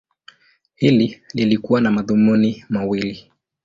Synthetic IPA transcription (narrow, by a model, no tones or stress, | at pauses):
hilililikuwanamaðumunimawili